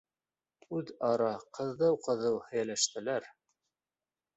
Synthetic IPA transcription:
ʉðɑɾɑqɤ̆ðːɤwqɤ̆ðɤwhɘ̆jælæʃt̪ɘ̆læɾ

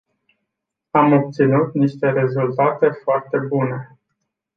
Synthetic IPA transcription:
amo̞p̚t̪sinut̪niʃt̪e̞ɾe̞zult̪at̪e̞foart̪e̞bune̞

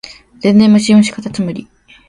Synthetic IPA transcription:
z̥ẽ̞nd̪ẽmːɯɕiõɕi̥kat̪at͡sɨmɯ̟ɾʲi

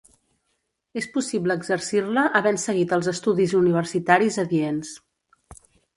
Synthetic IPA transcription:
espusibləːɡzəɾsirləʔːβɛnsəɣit̪əlˠzəst̪uðizuniβ̞ərsit̪aɾizəðiens

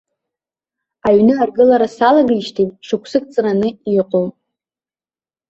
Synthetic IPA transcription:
aɥnɨarɡɨlaɾasalaɡiʃtʰitʼʂɨkʷʰsɨk̚ʼt͡sʼranɨiqʼo

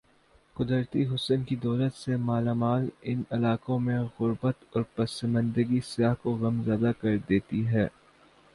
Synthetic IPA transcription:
kʊd̪əɾt̪iɦʊsənkid̪ɔːlət̪semaːlaːmaːlɪnɪlaːkõmẽɣʊɾbət̪ɔːɾpɐsəmə̃nd̪əɡisɪjaːɦkoɣɐmzaːd̪akɐɾd̪eːt̪iɦɛː

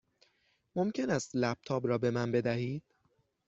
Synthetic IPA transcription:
momcʰe̞næst̪læb̚t̪ʰɒːbɾɒːbe̞mænbe̞d̪æhiːd̪̥̚

